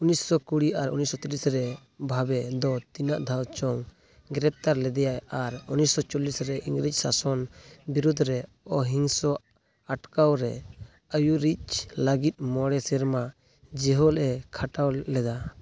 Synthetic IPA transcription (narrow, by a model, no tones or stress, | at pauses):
unissɔkuɽiaɾunisɔt̪ilisɾɛ | bʱabɛd̪ɔt̪inaʔd̪ʱawt͡ʃɔŋ | ɡɾɛp̚t̪aɾlɛd̪ɛjajaɾunissɔt͡ʃɔlisɾɛʔiŋɡɾic̚sasɔnbiɾud̪ʱɾɛ | ɔɦiŋsɔ | aʈkawɾɛ | ajuɾiclaɡit̪̚ˀmɔɽɛsɛɾma | d͡ʒɛɦɔlɛkʰaʈawlɛd̪a